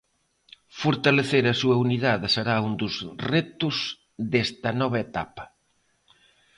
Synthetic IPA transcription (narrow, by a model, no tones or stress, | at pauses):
foɾt̪aleθeɾɐsuɐuniðaðɪseɾaund̪ʊzret̪ʊz | ðest̪ɐnɔβ̞ɐet̪a̰pɐ̥